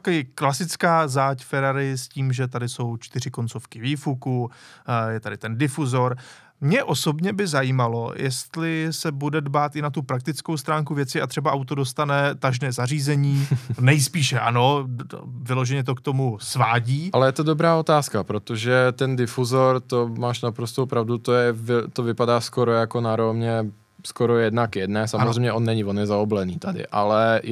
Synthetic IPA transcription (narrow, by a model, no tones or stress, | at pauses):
akɛjɛklasɪt͡skaːzaːcfɛɾaɾɪsciːmʒɛt̪adɪso̞wt͡ʃt̪ɪr̝ɪko̞nt͡so̞fkɪviːfuku | jɛt̪adɪt̪ɛndɪfuzo̞ɾ | mɲɛʔo̞so̞bɲɛbɪzajiːmalo̞jɛst̪lɪsɛbudɛdbaːt̪ʔɪnat̪upɾak̚t̪ɪt͡sko̞wst̪ɾaːŋkuvjɛtt͡sɪʔat̪r̥ɛbaʔawt̪odo̞st̪anɛt̪aʒnɛːzariːzɛɲiːnɛjspiːʃɛʔano̞ | vɪlo̞ʒɛɲɛt̪̬o̞kt̪o̞musvaːɟiːʔalɛjɛt̪odobɾaːo̞t̪aːskapɾot̪oʒɛt̪ɛndɪfuzoɾt̪omaːʃnapɾost̪owpɾavdut̪ojɛvt̪ovɪpadaːskoɾojakonaɾomɲɛ | skoɾojɛdnakjɛdnɛːsamozrɛjmɲɛʔonːɛɲɪvonjɛzaoblɛniːt̪adɪ̰ʔa̰lɛ